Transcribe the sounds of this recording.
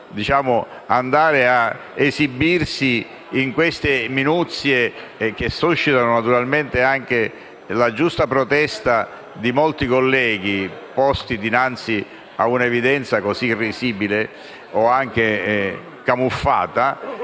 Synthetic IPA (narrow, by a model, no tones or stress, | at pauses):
d̪it͡ʃaːmʊ | and̪aːɾea | ezibirsiː | ŋkwest̪eminut̪sːjek̟esːuʃːit̪anʊnat̪uɾalment̪eaŋk̟e | lad͡ʒust̪apɾot̪ɛst̪a | d̪imɔlt̪ikolːɛːɡ̟ipɔst̪id̪inant̪si | a̰unaevid̪ɛnt̪sakosirːiziːbile | ɔaŋk̟e | kamufːa̰ːt̪a